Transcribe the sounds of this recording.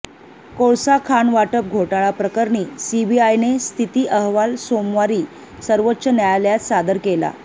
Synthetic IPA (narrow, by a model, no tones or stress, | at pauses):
koɭsakʰanʋaʈəp̚ɡʱoʈaɭapɾəkəɾɳiːsibiajnest̪ʰit̪iːʔəɦʋalsomʋaɾiː | səɾʋət̪ːɕənjajaljat̪sad̪əɾkela̰